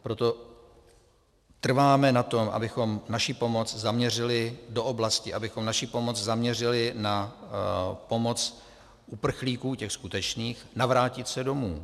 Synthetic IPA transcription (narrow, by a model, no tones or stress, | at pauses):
pɾo̞t̪o̞ | t̪r̩vaːmɛnat̪omʔa̰bɪxo̞mnaʃipo̞mo̞t͡szamɲɛrɪlɪdo̞ʔoblascɪʔabɪxo̞mnaʃipo̞mo̞t͡szamɲɛr̝ɪlɪna | po̞mo̞t͡s | ʔupr̩xliːkuːcɛxskut̪ɛt͡ʃniːxnavɾaːcɪt̪sɛdo̞muː